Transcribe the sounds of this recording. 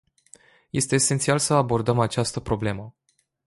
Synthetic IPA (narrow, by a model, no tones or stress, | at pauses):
je̞st̪e̞ːsent̪sialsəabo̞rd̪əmat͡ʃast̪əpɾo̞ble̞mə